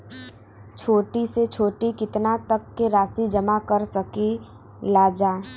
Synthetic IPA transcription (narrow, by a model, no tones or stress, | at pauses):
t͡ʃʰoːʈiset͡ʃʰoːʈikɪt̪nat̪əkːeɾaːsid͡ʒəmakəɾsəki | laːd͡ʒaːe